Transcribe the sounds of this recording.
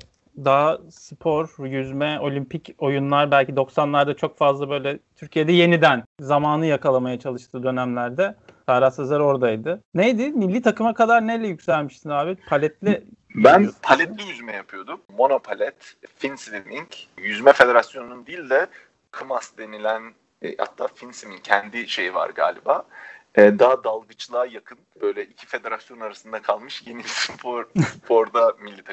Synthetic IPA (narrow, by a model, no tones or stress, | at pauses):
d̪asɯpʰo̞ɾjyzmɛo̞lʲimpico̞junlˠaɾbælʲcid̪o̞ksanlˠaɾd̪at͡ʃʰo̞kfazlˠabø̞jlʲɛt̪ʰyɾcʰijed̪ɛje̞nid̪ænzamaːnɯjakʰalˠamajat͡ʃʰalˠɯʃt̪ʰɯːd̪ø̞næmlʲæɾd̪ɛd̪̥aːɾasazlˠaɾo̞ɾd̪ajd̪ɯnejd̪ɪmilʲːiːt̪ʰakɯmakʰad̪aɾnejlʲɛjycʲsælʲmiʃt̪ʰinaːbɛt̪pʰalʲɛt̪lʲɪ | bænpʰalʲɛt̪lʲijyzmɛjapʰɯjo̞d̪umːo̞no̞pʰalʲɛt̪finslimiŋcjyzmɛfed̪e̞ɾasjo̞nnund̪ilʲd̪ɛ | kʰɯmasd̪e̞nilʲænː | ha̰t̪ʰːa̰ːfinsimiŋcʰɛnd̪iʃe̞jiva̰ɾɡa̰ːlʲibaːɛːd̪ad̪alˠɡɯt͡ʃlˠaːjakʰɯnb̥ø̞jlʲɛʔicʰi̥fe̞d̪e̞ɾasjonnaɾasɯnd̪akʰalˠmɯʃje̞nispoɾpoɾd̪amilʲːit̪ʰa